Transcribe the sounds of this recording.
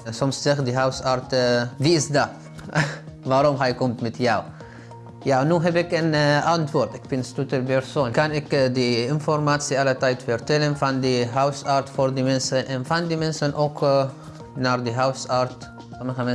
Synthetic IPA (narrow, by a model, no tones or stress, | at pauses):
sɔmsːɛχdiɦawsaɹtviɪsda | vaːɾɔmɦɛjkɔmtmɛtjaw | jaːnuːɦɛbɪkənɑntʋoːrtɪkbɪnstutərpɛɹsoːnkɑnɪkdəɪnfɔrmaːtsiɑlətɛjtfɛrtɛlənfɑndiɦœwsartfoːrdimɛnsənʔɛnfɑndimɛnsənʔok | naːrdiɦœwsaɹt | sɔməxəmɛ